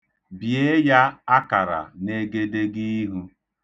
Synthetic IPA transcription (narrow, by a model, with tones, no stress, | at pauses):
bje˦ja˦a˦ka˨ɾa̰˨ne˨ɡe˦de˦ɡi˦ɦu˦